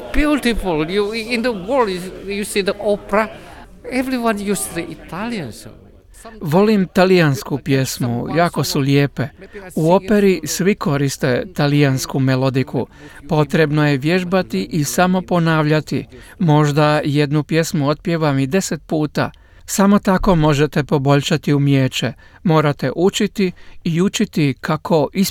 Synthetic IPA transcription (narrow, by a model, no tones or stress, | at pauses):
bjult̪ifuljuĩndəwɔldjusidəʔopɾa | ɛvɾiwãnjusdəit̪ʰaliə̃ns | ʋo̞limt̪alijanskupje̞smṵjaːko̞sulʲeːpe̞uo̞pe̞ɾisʋikʰo̞ɾist̪e̞t̪alijanskume̞lo̞d̪ikʰṵpo̞t̪ɾe̞bno̞je̞ʋjeʒbat̪iʔisamo̞po̞naːʋʎat̪ḭmo̞ʒd̪aje̞d̪nupje̞smuo̞t̪̚pjeʋamid̪e̞se̞t̪̚puːt̪a̰ | samo̞t̪ako̞mo̞ʒe̞t̪e̞po̞bo̞ʎʃat̪iumjeːt͡ʃe̞ | mo̞ːɾat̪e̞ʔut͡ʃit̪iiut͡ʃit̪ikʰakʰo̞ʔis